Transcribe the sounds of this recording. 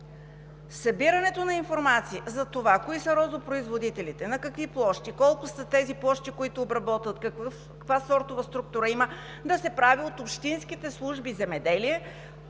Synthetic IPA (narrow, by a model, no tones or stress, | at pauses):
sɐbiɾɐnɛt̪onɐinfoɾmat̪siəzɐt̪ovakoisɐɾɔzʊpɾoizvod̪it̪ɛlit̪ɛnɐkɐkviplˠɔʃt̪ikɔlˠkʊsət̪ɛziplˠɔʃt̪ikoit̪ʊːbɾɐbɔt̪vət̪kɐkvəf | kvasɔɾt̪ovɐst̪ɾuk̚t̪uɾəimə | d̪ɐsɛpɾaviot̪opʃt̪insk̟it̪ɛslˠuʒbizɛmɛd̪ɛliɛ